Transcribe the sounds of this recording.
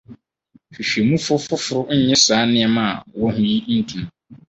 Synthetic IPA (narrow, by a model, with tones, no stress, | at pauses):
ɕᶣi˨ɕᶣe˨mũ˦fʊ˦fʊ˦fʊ˨ɾʊ˦ɲ̩˦ɲɛ̃˦saː˨˦nɪ̃˦ɛ˨mã˨wɔ˦hʊ̃˦ji˦n̩˦tʰũ˨m